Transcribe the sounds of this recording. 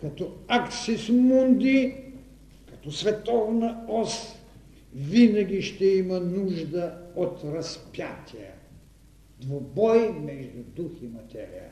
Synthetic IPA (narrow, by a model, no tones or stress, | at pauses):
kɐt̪ɔaksismund̪i | kɐt̪ɔsvɛt̪ɔvnɐɔs | vinɐɡʲiʃt̪ɛimɐnuʒd̪əot̪ɾɐspjat̪ʲʰiə̰ | d̪vobɔjmɛʒd̪ud̪uximɐt̪ɛ̰ɾḭjə̰